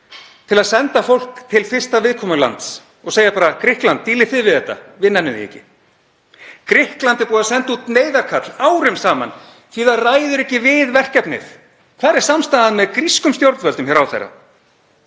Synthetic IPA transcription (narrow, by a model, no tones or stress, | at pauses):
t̪ʰɪlaðsɛnt̪afowl̥kt̪ʰɪlfɪr̥st̪avɪðkʰɔːmʏla̰nt̪s | ɔɣseːjapaːɾakɾɪhklant̪ːiːlɪθɪvɪðθɛht̪ːa̰vɪnːanʏðɪ̰ɛ̰cɪ | kɾɪhklant̪ɛɾpuːðasɛn̥t̪ut̪neːjðaɾkʰat̪laːwɾʏmsaːma̰n | θiðaðraːjðʏɾɛhcɪvɪðvɛr̥cɛpnɪ̰θ | kʰvaːðɾɛɾ̥samst̪aðaðmɛðkɾiskʏmst̪joɾt̪vœlt̪ʏmçɛɾawθḛrːa̰